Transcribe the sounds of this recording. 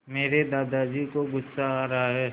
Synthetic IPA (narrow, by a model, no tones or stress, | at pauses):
meːɾed̪aːd̪ad͡ʒikoɡʊsːaɾaɦaɦɛː